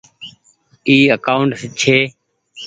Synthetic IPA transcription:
iːəkaːʊɳʈst͡ʃʰeː

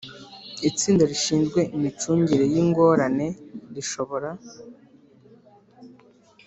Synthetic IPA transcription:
it͡siːndaɾiʃiːnzɡwe̞imit͡ʃuːɲɟiɾe̞jiŋɡo̞ːɾane̞ɾiʃo̞βo̞ɾa

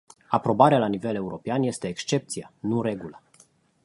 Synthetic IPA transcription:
apɾo̞baɾealanive̞le̞uɾo̞peanje̞st̪e̞ːkst͡ʃe̞p̚t̪sijanuɾe̞ɡulə

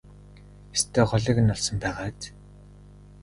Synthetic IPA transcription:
est̪ʰeːχɔɮiːkɘ̆nːɔɮsɞ̆mpæːʁaːt̪

